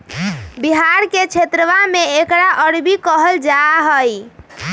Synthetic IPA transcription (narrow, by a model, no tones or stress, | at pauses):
biɦaɾket͡ʃʰet̪ɾəʋameekɾaʔəɽbikəɦəld͡ʒaɦəj